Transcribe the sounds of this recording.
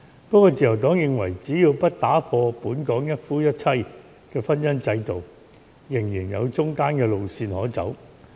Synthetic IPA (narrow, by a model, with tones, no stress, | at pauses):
pɐ˥kːɔː˧t͡siː˨jɐ˨˩wt̪ɔː˨˥ŋjɪ˨ŋwɐ˨˩jt͡siː˨˥jiː˧wpɐ˥t̚t̪aː˨˥pʰɔː˧puː˨˥nkɔː˨˥ŋjɐ˥t̚fuː˥jɐ˥t̚t͡sʰɐ˥j | kɛː˧fɐ˥njɐ˥nt͡sɐ˧jt̪o˨w | jɪ˨˩ŋjiː˨˩njɐ̰˨˧wt͡ʃʊ˥ŋkaː˥nkɛː˧lo˨˧wsiː˧nhɔː˨˥t͡sɐ̰˨˥w